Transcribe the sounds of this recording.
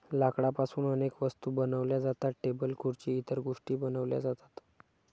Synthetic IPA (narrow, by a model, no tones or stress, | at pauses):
lakɽapasuːnənekʋəst̪uːbənəʋljad͡zat̪aʈebəlkʰuɾt͡ɕiːt̪əɾɡoʂʈiːbənəʋlja̰d͡zat̪ḁt̪